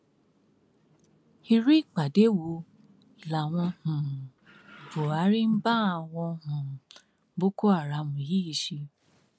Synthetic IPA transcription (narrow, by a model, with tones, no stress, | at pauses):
i˧ɾi˦˨k͡pa˨de˨˦wo˧ | i˨la˨w̃ɔ̃˧hũ˨ | bo˨a˨˦ɾi˦m̩˦ba˦a˨w̃ɔ̃˧hũ˨˦ | bo˦ko˦a˦˨ɾa˧˦mũ˨ji˦i˨ʃi˧